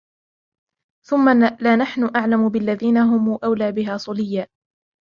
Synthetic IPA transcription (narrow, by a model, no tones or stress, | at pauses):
θʊmːalaːnaħnʊʔaʕlamʊbɪlːaðiːnaɦʊmuːʔawlaːbɪɦaːsˤʊlɪjːaː